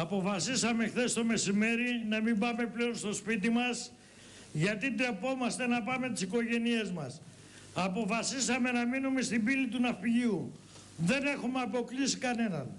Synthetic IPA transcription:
ɐpo̞fɐsisɐmexθe̞st̪o̞me̞sime̞ɾinɐmimbɐme̞ple̞o̞nst̪o̞spit̪imɐs | ʝɐt̪id̪ɾe̞po̞mɐst̪e̞nɐpɐme̞t̪i̥siko̞ʝe̞nie̞zmɐs | ɐpo̞fɐsisɐme̞nɐminume̞st̪imbilit̪unɐfiʝiu | ðe̞ne̞xumeɐpo̞klisikɐnenɐn

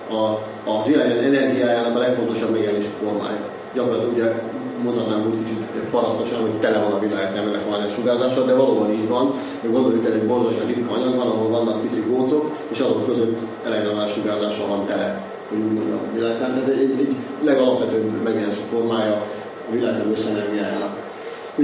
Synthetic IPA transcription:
ɒː | zilaːɡanɛnɛrɡijaːjaːnɒkɒlɛkfo̞nt̪o̞ʃɒbmɛɡɛleːʃi̥fo̞rma̰ːjɒ̰ | ɟɒkorlɒt̪luɟɛmo̞nt̪hɒt̪naːmuːt̪kit͡ʃit̪uɟɛpɒɾɒst̪o̞ʃɒnɦo̞ct̪ɛlɛvɒnɒvilaːɡat̪ːaːnɛlɛkoanaːʃuɡaːzaːʃɒd̪ɛvɒloːbɒniːɟʋɒn | ɛɡo̞nd̪o̞ljukɛlɛɟbo̞rzaʃrit̪kɒɒɲɒɡbɒnɒɦo̞lvɒnːɒk̚pit̪sikɡoːt̪so̞k | eːʃɒzo̞kːø̞zøt̪ː | ɛlɛɡɾɔnaːʃuɡaːzaːʃɒvɒnt̪ɛlɛ | ho̞ɟuːɟmo̞ɲɟɒ̰vilaːɡt̪aːnt̪aːt̪ɛɟɛɟɛɟlɛɡɒlɒpʋɛt̪øːbmɛɡjɛleʃifo̞rmaːjɒː | vilaːɡt̪amøsːɛnɛmiaːjaːnɒk | u

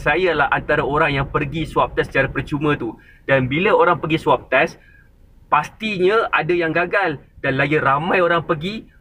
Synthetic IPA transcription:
sajalahʔant̪aɾaoɾaŋjaŋpərɡiswap̚t̪ɛsə̥t͡ʃaɾapərt͡ʃumə̃t̪u | d̥anbilaoɾaŋpəɡisuap̚t̪ɛs | past̪iɲãadajaŋɡaɡaldanlaɡiɾamãjoɾaŋpəɡi

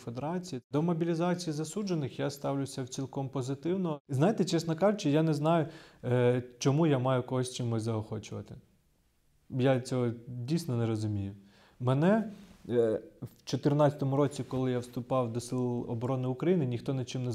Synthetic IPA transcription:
fed̪eɾɑt͡sʲijid̪ɔmɔbʲilʲizɑt͡sʲijizɐsud͡ʒenɪxjast̪ɑwlʲʊsʲɐwt͡sʲilʲˠkɔmpɔzɪt̪ɪwnɔznajet̪ɛt͡ʃɛsnɔkɑʒʊt͡ʃɪjanɛznɑjʊ | t͡ʃɔmujamɑjʊkɔɦɔsʲt͡ʃɪmɔzɐɔxɔt͡ʃʊʋɐ̰t̪ɪ | jat͡sʲɔɦɔdʲijsʲnɔnɛɾɔzʊmʲijʊ | mɛnɛ | wt͡ʃɔt̪ɪrnɑt͡sʲɐt̪ɔmʊɾɔt͡sʲikɔlˠɪjawst̪ʊpɑwd̪ɔsɪlˠɔ̰bɔɾɔnɪʊkɾɐjinɪnʲixt̪ɔnɪt͡ʃɪmnɛ

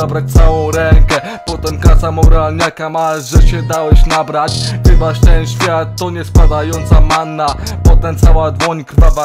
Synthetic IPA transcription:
abɾat͡ɕʲt̪sawɔ̃w̃ɾɛŋkɛ | pɔt̪ɛmkasamɔɾalɲakamaʐɛɕɛd̪awɛɕnabɾat͡ɕxɘvaʂt̪ɛnɕfʲjat̪ːɔɲɛspad̪ajɔnt̪samanːapɔt̪ɛmt̪sawad̪wɔɲkɾvava

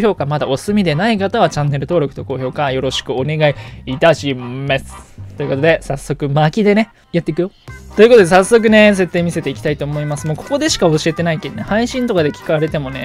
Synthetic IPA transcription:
ço̞ːkamad̪ao̞sɨmʲid̪e̞naikat̪aβat͡ɕãnːe̞ɾɯ̟t̪o̞ːɾo̞kɯ̟̥t̪o̞ko̞ːço̞ːkajo̞ɾo̞ɕi̥kɯ̟one̞ɡaiːt̪aɕimasɨ̥t̪ːo̞jɯ̟ko̞t̪od̪e̞sasːo̞kɯ̟makʲid̪e̞ne̞ | jat̪ːe̞ikɯ̟jot̪o̞iɯ̟kot̪o̞d̪e̞sasːo̞k̬ɯ̟ne̞s̬e̞t̪ːe̞ːmʲise̞t̪e̞ikʲi̥t̪ait̪o̞ːmo̞imasɨmo̞ːko̞̥ko̞d̪e̞ɕi̥kao̞ɕie̞t̪e̞naikenehaiɕĩnt̪o̞kad̪e̞kʲi̥kaaɾe̞t̪e̞mo̞ne̞

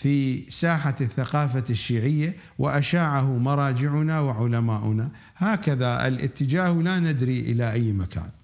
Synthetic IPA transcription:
fiːsaːħaθːaqɑːfaʃːiːʕɪjːa | wʔɪʔaʃaːʕahʊmɑɾˤɑːd͡ʒɪʕʊnawɪʕʊlamaːʔʊna | haːkaðaʔɪ̰lʔɪ̰t̪ːɪd͡ʒaːhwlanɪd̪ɾiʔɪlaʔajːmakʰa̰ːn

